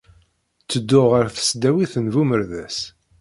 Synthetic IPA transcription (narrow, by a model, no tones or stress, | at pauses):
t͡sːəd̪ːʊʁəɾθə̥sd̪æwiθənvuməɾðæs